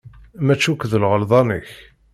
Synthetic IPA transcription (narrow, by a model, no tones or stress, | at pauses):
mæt͡ʃːukʷːðəlʁəlðˤɑnə̰ç